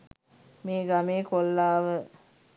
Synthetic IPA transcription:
meːɡameːkolːaːʋə

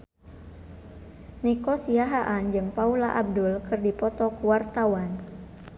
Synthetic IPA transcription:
nikɔsiaɦaʔand͡ʒɨŋpaulaʔab̚dulkɨrdipɔt̪ɔkuwart̪awan

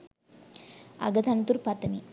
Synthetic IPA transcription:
ɐ̰ɡɐd̪ʰʱɐnɐt̪uɾpɐt̪ːɐmi

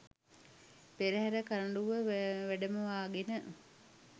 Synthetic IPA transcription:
peɾəɦæɾəkaɾəɳɖuʋəʋæɖəməʋaːɡenə

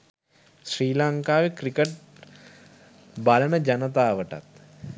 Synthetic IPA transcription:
sɾiːlaŋkaːʋekɾikeʈ̚ | balɐnəd͡ʒɐnət̪aːʋəʈɐ̰t̪

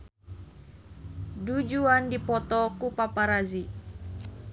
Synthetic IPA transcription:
dud͡ʒuandipɔt̪ɔkupapaɾazi

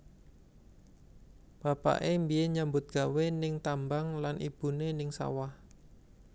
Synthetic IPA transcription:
b̥a̤pa̰ʔembieɲambʊt̪̚ɡ̥a̤wenɪŋt̪ambaŋlanʔḭb̥unenɪŋsa̰wah

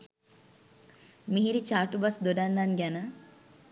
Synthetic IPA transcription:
miɦiɾit͡ʃaːʈubasd̪oɖanːanɡɛnə

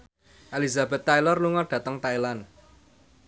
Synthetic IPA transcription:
ʔalizabɛ̤t̪ːajlɔrluŋɔɖ̥ä̤t̪əŋt̪ailan

